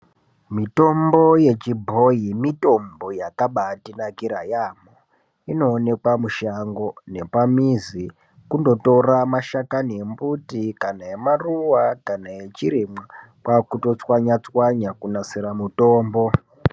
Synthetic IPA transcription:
mito̞mbo̞je̞t͡ʃibʱo̞imito̞mbo̞jakaɓatinakiɾajamo | ino̞ːne̞kwamuʃaŋɡo̞ne̞pamizi | kundo̞to̞ramaʃakaniembutikanajemaruwakanaje̞t͡ʃiɾima | kwakuto̞t͡swaɲat͡swaɲakunasiɾamuto̞ːmbo̞

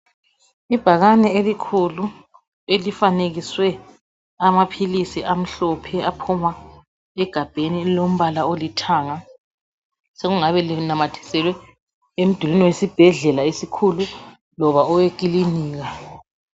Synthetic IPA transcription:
ib̥ʱaɣanɛelikʰulu | elifaneɣiswɛ | amapʰilisiʔam̩ɬɔpʰɛapʰuma | ɛɡ̥ʱab̥ʱenilom̩βalaolitʰaːŋa | seɣuŋaβɛlinamatʰi̥sɛlwɛ | em̩d̥ʱulinɛwesib̥ʱɛɮɛlaisikʰulu | lɔβaɔwek̬ʼiliniːɣa

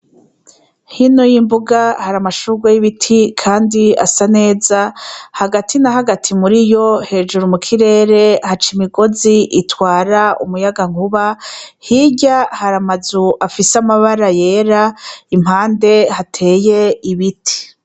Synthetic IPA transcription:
hinojimbuɡahaɾamaʃuɡwejiβitʰikʰaːndia̰sane̞ːzahaɡatʰinaɦaɡatʰimuɾijo̞he̞ːʒuɾumukʰiɾe̞ːɾe̞hat͡ʃimiɡo̞ziʔitwaːɾaṵmujaɡaŋuβahiɟahaɾamazuʔafisamaβaɾaje̞ːɾaim̥haːnde̞hatʰe̞ːje̞iβitʰi̥

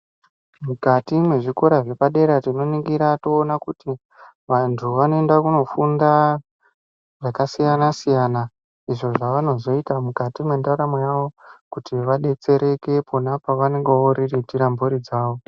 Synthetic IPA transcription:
mukatimwe̞ʐiko̞ɾaʐe̞paɗe̞ɾatino̞niɡiɾato̞ːnakuti | ʋantʰuʋano̞endakuno̞funda | ʐakasijanasijana | iʐo̞ʐaʋano̞zo̞itamukatimwe̞ndaɾamwejaʋo̞kutiʋaɗe̞t͡se̞ɾe̞ke̞pʰonapaʋane̞ŋɡeoɾiritiɾamboɾid͡zaːʋo̞

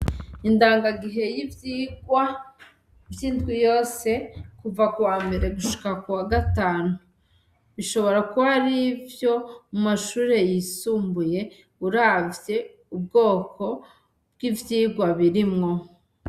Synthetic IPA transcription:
indaːŋɡaɡiɦe̞jivjiːɡwa | vjiːndɡijo̞ːse̞kuvakuwaːmbe̞ɾe̞ɡuʃu̥kakuwaɡataːnuu | βiʃo̞βo̞ɾakuaɾivjo̞mumaʃuːɾe̞jisuːmbuje̞ | uɾavje̞ | ub̚ɡo̞ːko̞ | b̥̚ɡ̥ivjiːɡwaβiɾimŋo̞

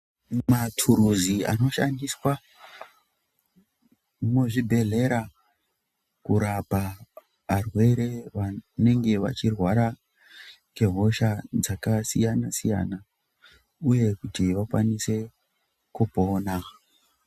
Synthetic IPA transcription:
matʰuɾuzia̰no̞ʃandiswa | muʐibʱe̞ɮe̞ɾa | kuɾapaː | rwe̞ɾe̞ʋane̞ŋɡe̞ʋa̰t͡ʃirwaɾa | ke̞ɦo̞ʃad͡zakasijanasija̰na | uje̞kutiʋakwa̰nise̞ | kupo̞ːna

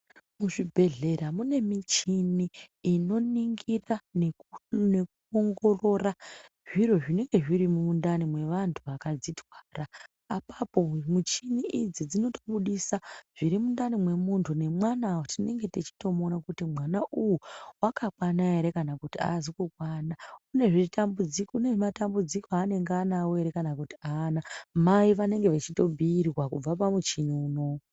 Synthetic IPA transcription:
muʐibʱe̞ɮe̞ramune̞mit͡ʃiniːno̞niŋɡiranene̞kuoŋɡo̞ro̞ra | ʐiro̞ʐine̞ŋɡe̞ʐirimuundanimwe̞ʋantʰuʋakad͡zitwaːraː | papo̞mut͡ʃiniʔid͡zid͡zino̞toɓuɗisaʐ̥iɾimundanimwe̞muntʰune̞mwanawtine̞ŋɡe̞tet͡ʃi̥to̞monakutimwanaʔuwuwakakwanaeɾe̞kanakutia̰zikukwaːnaune̞ʐitambud͡zikune̞ʐematambud͡zikoane̞ŋɡeanawoe̞ɾe̞kanakuti̥aːnamaiʋane̞ŋɡe̞ʋet͡ʃito̞bʱiːrwakub͡vapamut͡ʃiniuːno̞

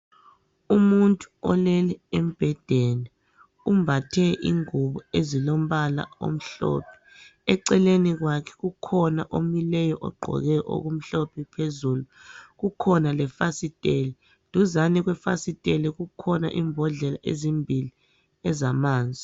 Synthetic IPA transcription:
umuntʼuɔlɛlɛem̩b̥ʱɛd̥ʱɛlɛ | umbʱatʰɛʔḭŋuβɔezilom̩βala̰o̰m̩ɬɔ̰pʰɛ̥ | ɛǀɛleniɣwakʰɛ̥ɣukʰɔna̰ʔomilɛjɔʔɔ̰ɡ͡ǃʱɔ̰ɣɛʔo̰ɣum̩ɬɔpʰipʰezuːluɣukʰɔnalɛfasitʼeli | d̥ʱuzaniɣwɛfa̰sitʼeliɣukʰɔna̰ʔiːmbʱɔɮɛla̰ʔḛzimbʱili | ɛzamaːnd͡zʱi

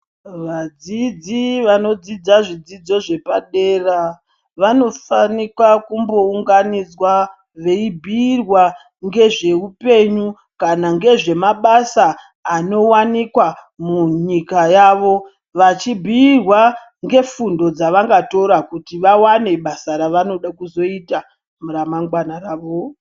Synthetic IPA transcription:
ʋad͡zid͡ziʋano̞d͡zid͡zaʐid͡zid͡zo̞ʐe̞paɗeːra | ʋano̞fanikwakumbo̞uŋɡanid͡zwa | ʋe̞ibʱiːrwa | ŋɡe̞ʐe̞upe̞ɲu | kanaŋɡe̞ʐe̞maɓasaː | no̞wanikwa | muɲikajaʋo̞ | ʋat͡ʃibʱiːrwa | ŋɡe̞fundo̞d͡zaʋaŋɡato̞ɾakutiʋawane̞ɓasaɾaʋano̞ɗakuzo̞ita | muɾamaŋɡwanaɾaːʋo

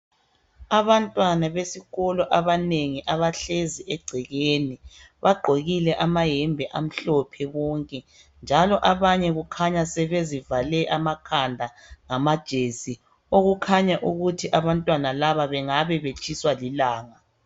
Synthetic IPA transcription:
aβantʼwanaβesiɣɔlɔʔaβaneŋiʔaβaɬeziʔɛɡ͡ǀʱɛɣeniβaɡ͡ǃʱoɣilɛʔamaɦɛmbʱɛʔam̩ɬɔpʰɛwɔŋkʼɛ | nd͡ʒʱalɔʔaβaɲɛɣukʰaɲasɛβezivalɛʔamakʰandʱa | ŋamad̥ʒ̥ʱesi | oɣukʰaɲaʔuɣutʰiʔaβantʼwanalaβaβɛŋaβɛβet͡ʃʼiswalilaːŋa

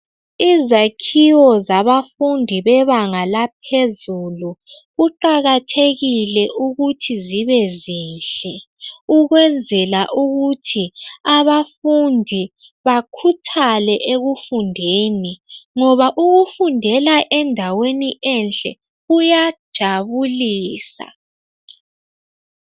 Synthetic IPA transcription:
izakʰiwɔzaβafundʱiβɛβaŋalap̚ʰezulu | ɣuǃaɣatʰeɣilɛʔuɣutʰiziβɛziːnɬɛ | uɣwɛnd͡zʱɛlaʔuɣutʰiaβafundʱi | βakʰutʰalɛʔeɣufundʱeːniŋɔβaʔuɣufundʱɛlaʔɛndʱaweniʔɛnɬʼɛ̰ | ujad̥ʒ̥ʱaβuliːsa̰

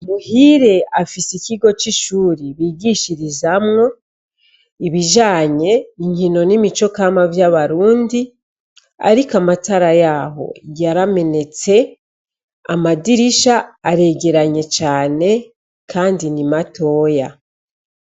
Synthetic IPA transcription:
muhiɾe̞afisiciɡo̞t͡ʃiʃuːɾiβiːɡiʃiɾizamŋo̞ | iβiʒaːɲe̞iɲhino̞nimit͡ʃo̞kamavjaβaɾuːndi | a̰ɾikamataɾajaːɦo̞̰jaɾame̞ne̞t͡se̞ | a̰madiɾiʃaːɾe̞ɡe̞ɾaɲe̞t͡ʃaːne̞ | kʰaːndinimato̞ːja

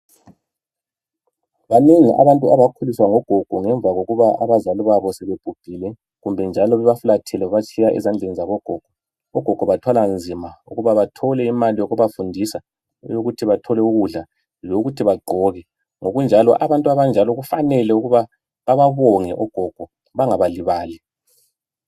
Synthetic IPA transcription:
βaneŋḭʔa̰βantʼuaβakʰuliswaŋɔɡ̥ʱɔɡ̥ʱɔŋɛɱb̪vʱaɣoɣuβaa̰βazaliβaβɔsɛβeb̥ʱub̥ʱiːlɛ | ɣumbʱɛnd͡ʒʱalɔβɛβafulatʰɛlɛβat͡ʃʼʰijaʔɛ̰zand͡ɮʱenizaβɔɡ̥ʱɔɡ̥ʱɔ | ɔɡ̥ʱɔɡ̥ʱɔβatʰwaland͡zʱimaṵɣuβaβatʰɔlɛimalijoɣuβafundʱisa | joɣutʰiβatʰɔlɛuɣuɮa | joɣutʰiβaɡ͡ǃʱɔɣɛ | ŋoɣund͡ʒʱalɔ̰ʔaβantʼuaβand͡ʒʱalɔɣufanɛlɛuɣuβa | βaβaβɔŋɛʔɔɡ̥ʱɔɡ̥ʱɔ | βaŋaβaliβaːlɛ

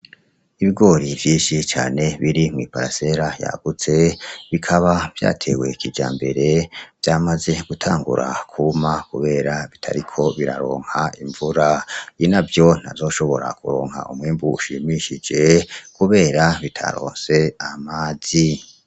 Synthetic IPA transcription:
iβiɡo̞ːɾivjiːnʃit͡ʃa̰ːne̞βiɾimŋiːpaɾase̞ɾaja̰ɡ̥ut͡se̞βikʰaβav̥ja̰ːtʰe̞we̞kʰid͡ʒa̰ːmbe̞ɾe̞v̥jamaze̞ɡ̥utʰaːŋɡṵɾa̰kʰumakuβe̞ːɾaβitʰa̰ɾikʰo̞βiɾa̰ɾo̞̰ːŋhaiɱvuɾainavjo̞n̥a̰zo̞ːʃo̞βo̞ɾa̰kuɾo̞ːŋha̰ʔumŋiːmbuuʃimiʃid͡ʒe̞kuβe̞ːɾaβitʰa̰ɾo̞̰ːnse̞amaːzi

